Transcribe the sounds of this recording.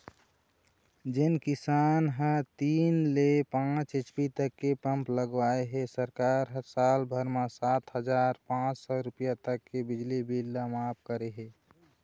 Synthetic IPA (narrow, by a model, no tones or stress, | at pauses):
d͡ʒɪnkisaːnɦə̃t̪iːnlepãt͡ʃɪt͡ʃpit̪əkːepə̃mpləɡʋaeɦɛsəɾkaɾɦəsalbʱəɾmasaːt̪ɦəd͡ʒaːɾpãt͡ʃsɔɾupjat̪əkːebɪd͡ʒlibʱilamap̚kəɾeɦe